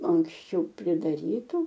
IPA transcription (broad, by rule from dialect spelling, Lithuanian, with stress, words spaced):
ɐŋksʲˈt͡ʃʲɛʊ pʲrʲɪdɐˈrʲiːtʊ